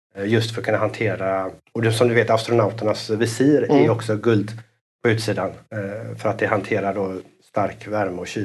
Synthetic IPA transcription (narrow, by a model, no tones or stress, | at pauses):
jɵst̪fœɾɔkʰɵnːaɦant̪ʰeːɾaɔd̪sɔmd̪ɵveːt̪ast̪ɾʊnaʊt̪əɳasvɪsiːɾæjɔksɔɡɵld̪ | pʰɔʉ̟ːt̪siːd̪anfœɾat̪̚d̪ɛɦant̪ʰeːɾaɖo | st̪aɾkvæɾmɔɕyː